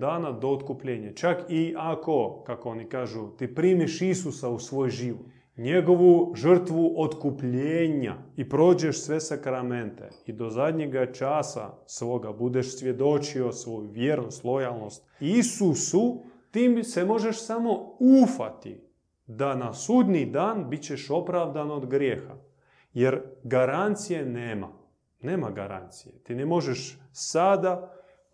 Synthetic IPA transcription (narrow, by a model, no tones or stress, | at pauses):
d̪aːnad̪oːt̪kupʎeːɲat͡ʃakiʔako̞kakoonikaːʒut̪ipɾimiʃisusausʋo̞ːjʒiʋot̪ | ɲeɡoʋuʒər̩t̪ʋuʔot̪kupʎeːɲa̰ipɾo̞ːd͡ʑeʃsʋesakɾament̪ḛid̪o̞zad̪ʲɲeɡat͡ʃaːsa̰sʋo̞ːɡabud̪eʃsʋjed̪o̞t͡ʃio̞sʋo̞juʋjeɾnost̪lˠo̞jalˠno̞st̪isusut̪iːmse̞mo̞ʒeʃsamo̞ufa̰t̪ḭ | d̪anasud̪nid̪aːnbit͡ɕe̞ʃo̞pɾavd̪anod̪ɡɾjeːxa̰ | jeɾɡaɾant̪sijeneːma̰ | ne̞ːmaɡa̰ɾa̰nt̪sijet̪inemo̞ʒeʃsad̪a